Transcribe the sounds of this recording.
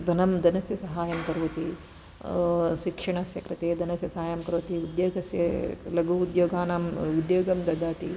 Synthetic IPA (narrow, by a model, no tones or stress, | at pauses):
d̪ʱɐnɐmd̪ɐnɐsjɐsɐɦaːjɐmkɐɾʋɐt̪i | ʃikʂɐɳɐsjɐkɾɨt̪eːd̪ɐnɐsjɐsɐaːjɐmkɐɾʋɐt̪iud̪joːɡɐsjɐlɐɡuud̪joːɡaːnaːmʋid̪joːɡɐmd̪ɐd̪aːt̪i